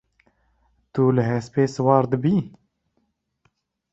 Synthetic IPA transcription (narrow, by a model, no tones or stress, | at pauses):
t̪ulɨɦɛspeːsɨwɑːɾd̪ɨbiː